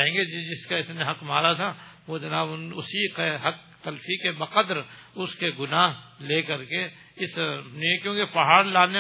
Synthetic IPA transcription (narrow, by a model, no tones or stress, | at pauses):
ẽːŋɡed͡ʒd͡ʒɪskaɪsneɦɐqmaːɾat̪ʰaʋod͡ʒɐnaːbnʊsikeɦɐk̚t̪ɐlfikebɐqəd̪ɾʊskeɡʊnaːɦleːkɐɾke | ɪsnkjõːkepɐɦaːɾlaːne